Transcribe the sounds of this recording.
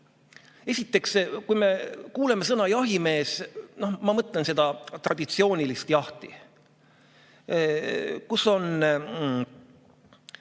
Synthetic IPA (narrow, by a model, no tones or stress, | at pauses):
e̞sʲit̪ːˑe̞kskujme̞kuːlemes̬ɤnɑjɑɦime̞ːsno̞hmɑmɤt̪ˑlense̞d̪̥ɑt̪rʔɑ̰d̪̥it̪sio̞ːnilist̪jɑht̪ḭ | kuso̞n